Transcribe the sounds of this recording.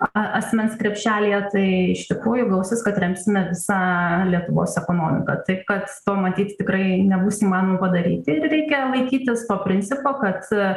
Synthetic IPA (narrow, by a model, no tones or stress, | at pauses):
ɐɐt̪ʲsʲmʲɛnskɾʲɛpʲʃʲæːlʲijɛt̪ɐɪɪʃt̪ʲɪkɾuːjʊɡˠɐlʊsʲɪskɐt̪rʲɛmʲpʲsʲɪmʲɛʋʲɪsɑːlʲiɛt̪ʊʋo̰ːsɛkoːnoːmʲɪ̰kɐ̰t̪ɐɪpkɐt̪t̪oːmɐt̪ʲiːt̪ʲt̪ʲɪkɾɐɪnʲɛbuːsiːmɑːnomɐpɐd̪ɐɾʲiːt̪ʲɪɪrɾʲɛɪkʲɛlˠɐɪkʲiːt̪ʲɪst̪oːpʲɾʲɪnʲt͡s̪ʲɪpoːkɐt̪